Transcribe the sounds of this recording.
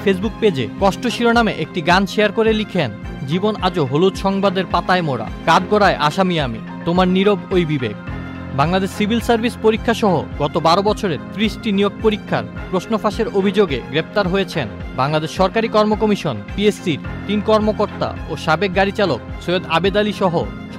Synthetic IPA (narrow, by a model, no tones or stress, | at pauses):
fʰesbuk̚ped͡ʑḛkɔʃʈoʃiɾonameʔek̚ʈiɡanʃejaɾkoɾelikʰen | d͡ʑibonad͡ʑoɦolud̪ʃɔŋbad̪eɾpat̪aemoɽa̰kaɖɡoɽaeʔaʃamiamḭ | t̪omaɾniɾobojbibḛɡ̚ | baŋlad̪eʃsibʱilsaɾbʱispoɾikʰːaʃɔɦo̰ɡɔt̪obaɾobɔt͡ɕʰoɾeɾt̪ɾiʃʈinijoɡ̚poɾikʰːa̰ɾpɾosnofaʃeɾobʱid͡ʑoɡeɡɾep̚t̪aɾɦojet͡ɕʰenbaŋlad̪eʃːɔɾkaɾikɔɾmokomiʃonpiesːiɾt̪inkɔɾmokoɾt̪a̰oʃabek̚ɡaɾit͡ɕaloksoed̪abed̪aliʃɔɦo